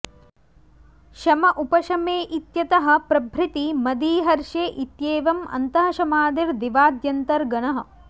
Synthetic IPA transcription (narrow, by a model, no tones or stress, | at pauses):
ʃɐmɐʔupɐʃɐmeːʔit̪jɐt̪ɐɦɐ̆pɾɐbʱɾɪt̪imɐd̪iːɦɐɾʃeːʔit̪jeːʋɐmɐ̰nt̪ɐɦɐ̆ʃɐmaːd̪iɾd̪iʋaːd̪jɐnt̪ɐɾɡɐnɐɦɐ̆